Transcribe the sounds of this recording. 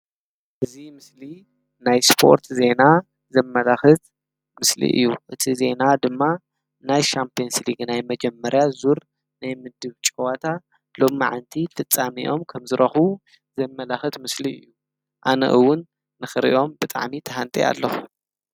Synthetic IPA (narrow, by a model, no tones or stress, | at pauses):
ʔɨzimɨsli | najspʰo̞̰ɾt̪ʰze̞na | zɐmːɐlaxɨt̪ | mɨslḭʔɨ̰jːuʔɨt̪ʰize̞nad̪ɨmːa | najʃampʰionsliɡnajmɐd͡ʒɛmːɐɾjazuɾ | najmɨd̪ɨβt͡ʃʼwat̪ʰa | lo̞mːaʕant̪ʰifɨt͡sʼːamiʔo̞mkʰɐmzɨɾɐxu | zɐmːɐlaxɨt̪mɨsliɨ̰jːu | ʔanɐ̰ʔɨwːʊnː | ɨxɨɾʔḭʔo̞mbɨt̪ʼa̰ʕmit̪ʰɐɦant̪ʼia̰lːɐxu